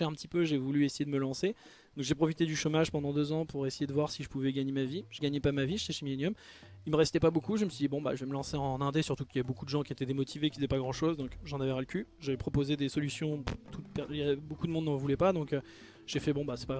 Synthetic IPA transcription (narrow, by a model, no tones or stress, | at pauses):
ɛɛ̃pət̪ipøʒevulyesejed̪əməlɑ̃se | d̪ɔ̃kʒepχɔfit̪ed̪yʃɔmaʒpɑ̃d̪ɑ̃d̪øzɑ̃puʁesejed̪əvwaʁsiʒəpuvɛɡaɲemaviʒ̥əɡaɲepamaviʒet̪ɛʃemilenjɔm | ilməʁɛst̪ɛpabokuʒəməsɥid̪ibɔ̃ba̰ʒəvɛməlɑ̃seɑ̃nɛ̃d̪esyʁt̪ukiljavɛbokud̪əʒɑ̃kʲiet̪ɛd̪emɔt̪ʰivekʲizɛpaɡʁɑ̃ʃozd̪ɔ̃kʒɑ̃navɛʁaləkʲyʒavɛpχɔpozed̪esɔlysjɔ̃t̪ʰut̪̚pɛjabokud̪əmɔ̃d̪nːɑ̃vulɛpad̪ɔ̃kø | ʒ̥efɛbɔ̃basɛ̥pa